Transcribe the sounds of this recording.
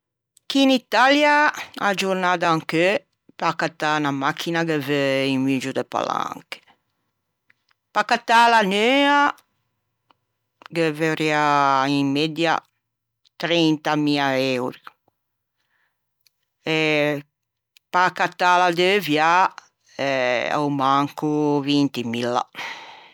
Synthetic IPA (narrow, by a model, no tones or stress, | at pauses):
kiːnit̪aljaad͡ʒuɾnad̪aaŋkø | pakat̪ːanamakʰːinaɡevøiɱvid͡ʒud̪epa̰la̰ŋke̥ | pakat̪ːalanøa | keveɾiaimmed̪ja̰ | t̪ɾɛnt̪amiaewɾi | ɛ | pakat̪ːalad̪evja | ɛa̰wmaŋkuvint̪imilːa̰